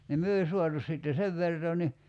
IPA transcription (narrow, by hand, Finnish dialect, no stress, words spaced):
nim myø ei suɑtu siˑtːe seʋ ʋertoː ni